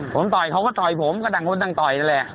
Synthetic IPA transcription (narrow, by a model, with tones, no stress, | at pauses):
fo̰˧˦mt̪ɔ˨˩jxə˧wŋ͡mkɔ˨˦t̪ɔ˨˩jfo˨˦mkɔ˨˦˥ɗa˨˩ŋhwu˧nɗa˧ŋt̪ɔ˨˩ja˧lɛ˨˩